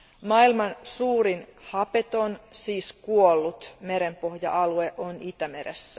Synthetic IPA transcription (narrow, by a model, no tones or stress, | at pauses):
mɑilmɑnsuːɾinhɑpet̪o̞nsiːskuolːut̪meɾempo̞hjɑ̰ʔɑlueʔonit̪æme̞ɾḛsːæ